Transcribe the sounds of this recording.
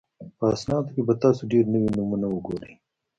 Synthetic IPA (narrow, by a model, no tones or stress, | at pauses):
pəːsnɑːd̪okebat̪ɑːsuɖeɾnəwinumunauɡoɾe